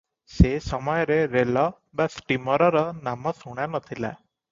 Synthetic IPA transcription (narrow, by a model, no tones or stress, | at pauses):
sesəmɔjɾeɾelɔ | bəsʈimɔɾɔɾɔnamɔsuɽ̃anət̪ʰila̰